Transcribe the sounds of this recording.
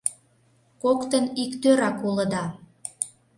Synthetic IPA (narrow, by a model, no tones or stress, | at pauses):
kokt̪ənikt̪øɾɑkuləd̪ɑ